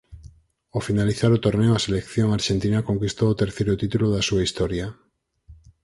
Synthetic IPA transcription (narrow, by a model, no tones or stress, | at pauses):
ofinaliθaɾot̪oɾneoaselekθjoŋaɾʃent̪inakoŋkist̪oːt̪eɾθejɾot̪it̪uloðasuaist̪ɔɾja